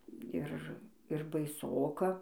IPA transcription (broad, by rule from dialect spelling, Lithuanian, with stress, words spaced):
ˈɪr ɪr bɐɪˈsoːkɐ